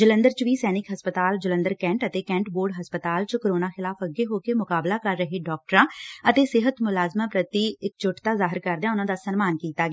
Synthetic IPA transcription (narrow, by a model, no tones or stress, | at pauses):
d͡ʒələ̃nd̪əɾt͡ʃʋiːsɛːnɪkɦəspət̪aːld͡ʒələ̃nd̪əɾkɛ̃ːɳʈət̪eːkɛ̃ːɳʈboːɾɖɦəspət̪aːlt͡ʃkoɾoːnaːxɪlaːfəɡeːɦoːkemʊkaːblaːkəɾːəɦeːɖɔːk̚ʈəɾãːət̪eːsɪɦət̪mʊlaːzmaːpɾət̪iːɪk̚t͡ʃʊʈt̪aːzaːɦɪɾkəɾd̪eaːʊnãːd̪aːsənmaːnkiːt̪aːɡe